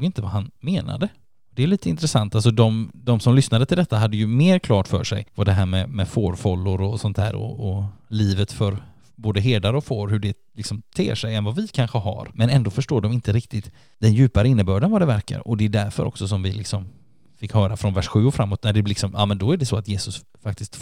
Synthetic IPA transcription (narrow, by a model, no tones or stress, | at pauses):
ɡɪnt̪əva̰ɦanmeːna̰d̪ə | ɔd̪ɛːjliːt̪ʰəɪnt̪ɾɛsant̪als̬ɔd̪ɔmd̪ɔmsɔmlʏsnad̪ət̪ʰɪld̪ɛt̪ːaɦad̪ːəjɵmeːɾkʰlɑːʈfœ̰ːʂɛ̰jvaɖɛɦæːɾmɛmɛfoːɾfɔlːʊɾɔsɔnt̪ʰhæ̰ːɾɔ̰ɔliːvət̪fœɾ | boːd̪əɦeːd̪aɾəɔfoːɾɦɵɖɛ | lɪksɔmt̪ʰḛːʂɛjɛnvavɪkʰanɧəɦa̰ɾmɛnɛnd̪oːfœʂʈoːɖɔmɪnt̪əɾɪk̚t̪ɪt̪ | d̪̥ɛnjʉ̟ːpaɾəɪnːəbœːɖənvad̪ɛvæɾka̰ɾɔd̪ɛɖ̪æɾfœ̰ɾɔ̰ksɔs̬ɔmvɪlɪksɔm | fɪkhœːɾafɾɔnvæʂɧʉ̟ːɔfɾamːoːt̪næɖɛlɪksɔmʔɑ̰ːmɛnd̪ɔæɖɛsɔat̪jeːsɵs | fak̚t̪ɪskt̪